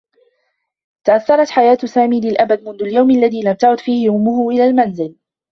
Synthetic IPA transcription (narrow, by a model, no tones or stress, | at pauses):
t̪aʔaθːɑɾˤɑt̪ħajaːt̪saːmiːlɪlʔabad̪̚mʊnðʊljawmʔalːaðiːlamt̪aʕʊd̪fiːhɪʔʊmːʊhʊʔɪlaːlmanzɪl